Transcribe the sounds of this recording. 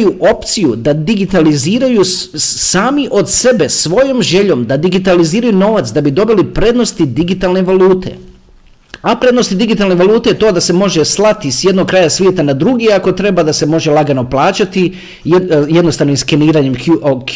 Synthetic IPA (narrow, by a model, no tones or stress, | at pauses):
juʔo̞pt̪sijud̪ad̪iɡit̪aliziːɾajusaːmiʔo̞d̪se̞be̞sʋo̞jo̞mʒe̞ʎo̞ːmd̪ad̪iɡit̪aliziːɾajuno̞ːʋat̪sd̪abid̪o̞bilipɾe̞ːd̪no̞st̪id̪iɡit̪aːlˠne̞ʋalˠuːt̪ʰe̞̰ | apɾe̞d̪no̞st̪id̪iɡit̪alne̞ʋalˠuːt̪e̞jet̪o̞ːd̪ase̞mo̞ʒeslˠat̪isje̞d̪nok̚kɾajasʋjet̪anad̪ɾuɡiako̞t̪ɾe̞bad̪ase̞mo̞ʒelˠaɡano̞plˠaːt͡ɕat̪i | jed̪no̞st̪aʋnimskeniːɾaɲemk